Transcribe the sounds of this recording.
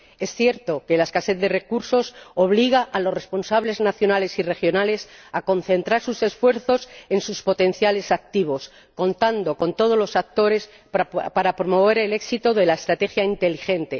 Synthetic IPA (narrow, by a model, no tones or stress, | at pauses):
e̞sθje̞ɾt̪o̞ke̞laeskaset̪̚d̪e̞re̞kuɾso̞so̞β̞liɣ̞aʔalo̞sre̞spo̞nsaβle̞znaθjo̞nale̞sire̞xjo̞nale̞sako̞n̟θe̞nt̪ɾaɾsuse̞sfwe̞ɾθo̞se̞nsuspo̞t̪ẽ̞nθjale̞sak̚t̪iβ̞o̞s | ko̞nt̪and̪oko̞nt̪o̞ð̞o̞zlo̞sak̚t̪o̞ɾe̞s | paɾapɾomo̞β̞e̞ɾe̞le̞ksit̪oðe̞laest̪ɾat̪e̞xjaint̪e̞liχẽ̞nt̪e̞